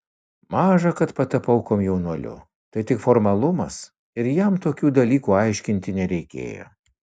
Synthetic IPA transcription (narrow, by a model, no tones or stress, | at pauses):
mɑːʒɐkɐt̪pɐt̪ɐpɐʊkoːmjɛʊnuɔlʲʊ̰ | t̪ɐɪt̪ʲɪkfɔɾmɐlˠʊmɐs | ɪɾjɛmt̪oːkʲuːd̪ɐlʲiːkuːɐɪʃʲkʲɪnʲt̪ʲɪnʲɛɾʲɛɪkʲḛːjo̰ː